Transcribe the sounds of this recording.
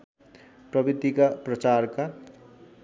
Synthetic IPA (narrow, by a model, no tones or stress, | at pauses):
prʌbid̪ikaprʌt͡sarka